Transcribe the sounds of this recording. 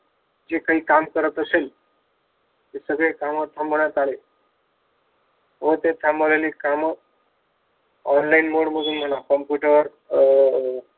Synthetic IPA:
d͡ʒekaiːkamkəɾət̪əsel | t̪esəɡɭekaməɾt̪ʰəmbəɳjat̪ale | ɦt̪et̪ʰambəlelikam | ɔnlainmoɽməd̪ʱuːnm̤ənakəmpjuʈəɾ

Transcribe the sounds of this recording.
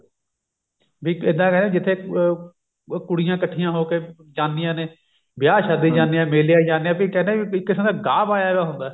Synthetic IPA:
biːɪd̪ːãːkɛːneːid͡ʒɪt̪ʰːeː | kʊɽɪjãːkəʈʰːɪjãːɦoːkeː | d͡ʒãːndɪjãːneː | bɪjaːʃaːd̪iːd͡ʒãːnd̪ijãːmeːljãːid͡ʒaːnd̪jãːbiːkɛːnd̪ẽːiɪkːɪsəmd̪aːɡaːpaːjaːʋaːɦʊnd̪aː

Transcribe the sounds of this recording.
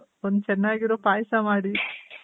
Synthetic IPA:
ond̪ut͡ʃɛnːaːɡiɾoːpaːjsamaːɽi

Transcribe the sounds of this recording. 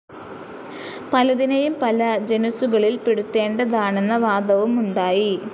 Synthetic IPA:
pɐlɐd̪inɐjumpɐlɐd͡ʑenusuɣɐɭilpeɽut̪ːe̞ːɳɖɐðaːɳe̞nːɐʋaːd̪ɐʋumuɳɖaːji

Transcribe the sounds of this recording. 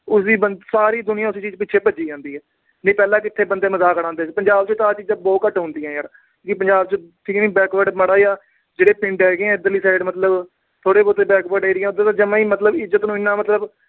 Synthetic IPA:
ʊsiːbənsaːɾiːd̪ʊnɪjãːʊsiːt͡ʃiːzpɪt͡ʃʰeːpəd͡ʒiːd͡ʒãːnd̪iːɦɛː | ñːpɛːlãːkɪt̪ʰːeːbənd̪eːməzaːkəɽãːnd̪eːpəɲd͡ʒaːb̚t͡ʃõːt̪aːt͡ʃiːzãːbɔːkəʈɦʊ̃nd̪iːɦɛ̃ːjaːɾ | kõːkɪpəɲd͡ʒaːbt͡ʃoʈʰiːknĩːbɛːkʋəɖməɽaːjaː | d͡ʒeːɽeːpɪ̃ɳʈɦɛːɡeːɛ̃ːd̪əliːsaːɪɖmət̪ləb | t̪ʰoːɽeːboːt̪eːbɛːkbəɖeːɾɪjãːd̪ãːt̪ãːd͡ʒəmãːiːmət̪ləbɪzət̪nũːɪnːãːmət̪ləb

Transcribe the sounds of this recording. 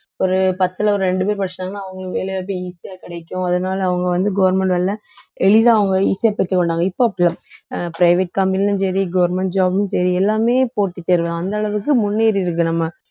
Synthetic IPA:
ɔɾɯpɐt̪ːɯlɐɔɾɯɾɛɳɖɯpeːɾɯpɐɾt͡ʃːɐaːŋɡɐnːãːɐʋɐŋɡɐʋeːlɐjaːp̬ːeiːsijaːkɪɽɐɪkːʊ̃ɐðɐnaːlɐʋɐŋɡɐʋɐnd̪ɯɡɐʋɐɾmɛɳʈʋɛɭːɐ | ɛɭɪðãːɐʋɐŋɡɐiːsijaːpɐɽt̪ːɯkːɔɳɖaːŋɡɐɪpːoːɐpːɐɽlaːmpɾɐɪʋɛʈ̚kɐmbɪnnɯnsɐɾiɡɐʋɐɾmɛɳʈ̚d͡ʒaːbnɯnsɐɾiɛlːaːmeːpoːʈːit̪ːeːɾɯʋɐð̃ɐnd̪ɐːɭɐʋɯkːɯmʊnːiːɾɪɾɯk̬ːɯnɐmːɐ

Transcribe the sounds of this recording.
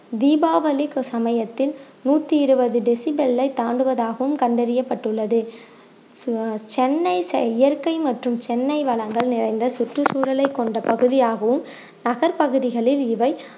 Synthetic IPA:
d̪iːbaːʋɐlɪksɐmɐjɐt̪ːɪl | nuːt̪ːiɪɾɯbɐðɯɖɪsɪbɛlːɐɪt̪aːɳɖɯʋɐðaːɣɐʋɯmkɐɳɖɐɾɪjɐpːɐʈːɯɭːɐðɯ | t͡ʃɛnːɐɪsɪjɐɾkɐɪmɐʈrɯmt͡ʃɛnːɐɪʋɐɭɐŋɡɐɭnɪrɐɪnd̪ɐsʊʈrɯsuːɾɐlɐɪkːɔɳɖɐpɐɣɯðɪjaːɣɐʋɯm | nɐɣɐɾpɐɣɯðɪɣɐɭɪlɪʋɐɪ

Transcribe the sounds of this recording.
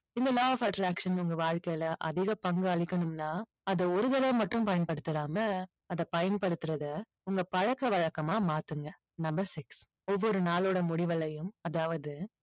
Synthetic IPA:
ɪnd̪ɐlaːfɐʈɾaːkʂɐnʊŋɡɐʋaːɻkɐjɪlɐʔɐ̰ðɪɣɐpɐŋɡɯɐɭɪkːɐnɯmnaː | ɐðɐɔɾɯðɐɾɐmːɐʈːɯ̃mpɐjɐnpɐɽɯt̪ːɯɾaːmɐ | ɐðɐpɐjɐnpɐɽɯt̪ːɯɾɐðɐ | ʊŋɡɐpɐɻɐkːɐʋɐɻɐkːɐmaːmaːt̪ɯŋɡɐ | nɐmbɐɾsɪks | ɔʋːɔɾɯnaːloːɽɐmʊɽɪʋɐlɐjɯmɐðaːʋɐðɯ

